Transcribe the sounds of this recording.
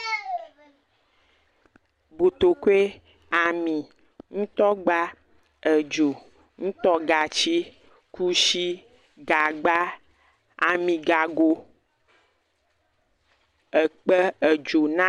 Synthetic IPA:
bo˨t̪o˨ko˦e˦ | a˨mĩ˨ | ŋũ˦t̪ɔ˦ɡ͡ba˦ | ə˨d͡ʒo˨ | ŋũ˦t̪ɔ˦ɡa˨t͡ʃi˦ | ku˦ʃi˦ | ɡa˨ɡ͡ba˦ | a˨mĩ˨ɡa˨ɡo˨ | ə˨k͡pə˦ə˨d͡ʒo˨nã˦

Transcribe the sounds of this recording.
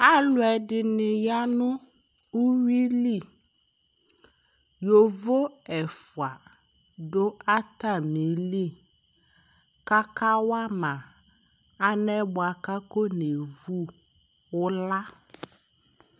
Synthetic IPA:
a˦lʊ˨˦ɛ˨ɖɪ˨nɪ˨ja˦nʊ̃˦ | u˦wi˦li˦˨ | jo˨vo˦ɛ˨fu˨a˨ | ɖo˦a˦t̪a˦˨mĩ˨˦li˦˨ | ka˦ka˦wa˦mã˨ | a˦nɛ˦bɔ˨a˨ka˦ko˦ne˨vu˦ | wʊ˦la˦

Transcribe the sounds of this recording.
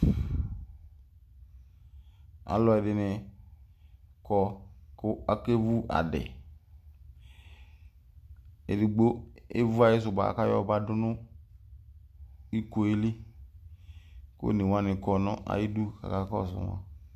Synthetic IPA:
a̰˨lɔ˨ɛ˨dɪ˨nɛ˨ | kɔ˨kʊ˦a˦ke˦vu˦ʔa̰˨dɛ̰˨ | ḛ˨di˨ɡ͡bo˦e˦vu˦a˨ji˦s̬ʊ˨ba̰˨ka˦jɔ̰˦˨ba˦dʊ˦nʊ˦ | i˦ko˨e˦li˦ | ko̰˦˨ne˨wa˦nɪ˨kɔ˨nɔ˦ʔa̰˨ji˦du˦ka̰˨ka˦kɔ̰˦˨sʊ̰˨wa̰˦

